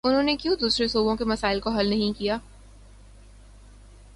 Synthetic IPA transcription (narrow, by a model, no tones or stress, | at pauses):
ʊnɦõːnekjũːd̪uːsɾesoːbõkemɐsaːɪlkoɦɐlnɐɦĩkijaː